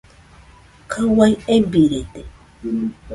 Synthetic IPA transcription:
kʰawajebiɾet̪e

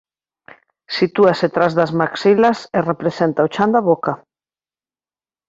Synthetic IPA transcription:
sit̪uaset̪ɾazðɐzmaksilɐserepɾesent̪aot͡ʃand̪aβoka

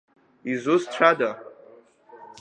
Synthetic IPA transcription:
izusʈ͡ʂʰʷada

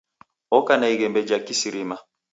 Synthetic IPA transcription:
okanaiɡɛ̃mbɛd͡ʒakisiɾima

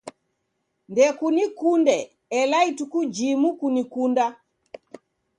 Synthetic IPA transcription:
ndɛkunikundɛː | laitukud͡ʒimukunikunda

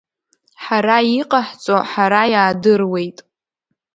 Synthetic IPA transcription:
ħaɾaiqʼaħt͡sʼoħaɾajaːdɨrwe̞jtʼ

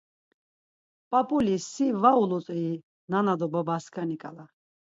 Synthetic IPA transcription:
pʼapʼulisivaulɔt̪ʼii | nanad̪ɔbabaskʰanikʼa̰la

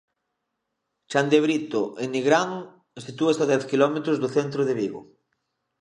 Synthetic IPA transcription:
t͡ʃand̪eβɾit̪oʔenːiɣɾanu | esit̪uest̪aðɛθkilɔmet̪ɾozðoθent̪ɾoðeβiɣo̰

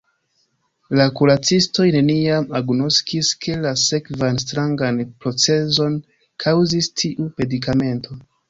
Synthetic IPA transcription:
lakuɾat͡sisto̞jne̞niamaɡno̞skiskʰe̞lase̞kvanstɾaŋɡanpɾo̞t͡se̞zo̞n | kʰawzistʰiʔume̞dikame̞ntʰo̞

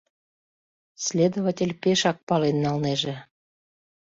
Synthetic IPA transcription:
sʲlʲed̪oβatʲelʲpeʃɑk̚pɑlenːɑlneʒĕ

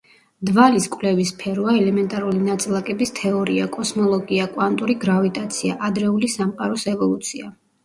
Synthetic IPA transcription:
d̪valiskʼwlɛvispʰɛɾvaɛlɛmɛnt̪ʼaɾulinat̪sʼlˠakʼɛbist̪ʰɛɔɾiakʼɔsnɔlˠɔɡiakʼwant̪ʼuɾiɡɾavit̪ʼat̪sʰiaʔad̪ɾɛulisamqʼaɾɔsɛvɔlˠut̪sʰia

